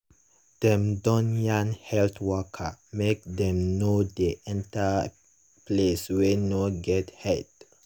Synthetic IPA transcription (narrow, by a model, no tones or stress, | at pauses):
d̥ɛ̃mdɔ̃njãnhɛltwɔkʰamek̚dɛ̃mnodeʔɛ̃nta | pleswɛnɔɡɛthɛd